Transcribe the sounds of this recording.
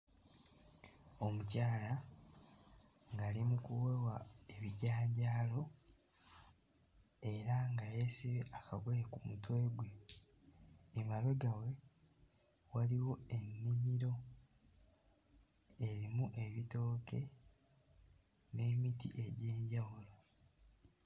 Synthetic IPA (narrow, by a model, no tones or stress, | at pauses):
o̞mucaːla | ŋɡaːlimukuwewae̞βiɟaːɲɟaːlo̞ | e̞ɾaŋɡajesiβeʔakaɡweekumutwe̞ːɡwe | imaβeɡawe̞ | waliwo̞e̞nːimiɾo̞ | eɾimuʔe̞βito̞ːke̞̰ | ne̞ːmitḭʔe̞ɟe̞ːɲɟawulo̞